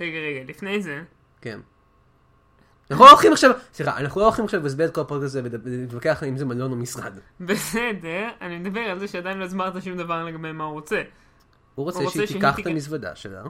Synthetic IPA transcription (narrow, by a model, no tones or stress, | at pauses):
ʁeɡaʁeɡalifnejze | kḛn | anaχuloχimaχʃavsliχa̰ʔːnaχnulooχimaχʃavbeis̬bet̪̚ko̞lapodekt̪azevedit̪vakeaχimzemallo̞nomisʁa̰d̪ | besedeʁanimed̪abeʁalzeʃead̪ajinloizmaʁt̪aʃumd̪avaʁleɡabejmauʁot͡se | huʁot͡seʃeiet̪ikaχt̪amisvad̪a̰ʃḛla̰